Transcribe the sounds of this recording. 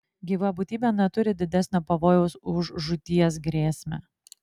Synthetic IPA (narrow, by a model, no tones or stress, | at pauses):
ɡʲiːʋɐbʊˑt̪ʲiːbʲɛnʲɛt̪ʊɾʲɪd̪ʲɪd̪ʲɛsʲnʲopɐʋoːjɛʊsʊʒʒʊt̪ʲiɛsɡɾʲeːsʲmʲɛ̰